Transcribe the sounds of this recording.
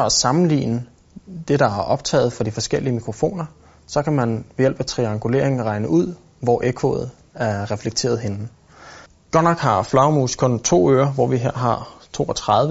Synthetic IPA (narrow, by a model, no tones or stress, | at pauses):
ɒæsɑ̈mn̩lḭːnə | d̥e̝ɾ̥ɑ̈æɐʔɒ̽b̥̚t͡sʰɛ̰ːð̩ˠfɒ̽d̥ifɒ̽sɡ̥el̰iəmikʰʁo̝fo̝̰ːnɐ | sɒ̽kʰæmænʋejel̰b̥æt͡sʰʁiɑ̈ŋɡ̥ule̝̰ɐ̰eŋn̩ʁɑ̈ɪnəʔuð̰ˠ | ʋɒʔekʰo̰ð̩ˠ | æɐʁɛfleɡ̥̚t͡sʰe̝̰ːɐð̞̩ˠɦe̝n̩ | ɡ̥ɒnɑɡ̥hɑ̈flɑʊmuːskʰɔ̽nt͡sʰo̝̰ːøːɐʋɒʋiɦeɐ̰ɦɑ̈t͡sʰo̝̰ːɒt͡sʰʁɑðˠʋə